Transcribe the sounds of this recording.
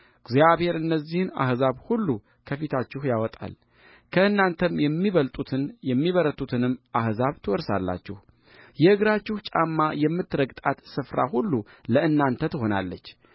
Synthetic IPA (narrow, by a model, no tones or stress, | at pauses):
ɡzjaβhe̞ɾɨnːəzːihɨna̰hzaβhulːu | kʰəfit̪ʰat͡ʃːɪhjawɔt̪ʼa̰l | kʰəɨnːant̪ʰəmɛmːiβəlt̪ʼut̪ʰɨnjɛmːiβəɾət̪ʼut̪ʰɨnɨmːʔahzaβt̪ʰɨwɔɾsa̰lːa̰t͡ʃːɪh | jɛʔɨɡɾat͡ʃːɪhut͡ʃʼamːajɛmːɨt̪ːɾəɡt̪ʼat̪sɨfɾa̰hulːuləɨnːant̪ʰət̪ʰɨho̞na̰lːət͡ʃː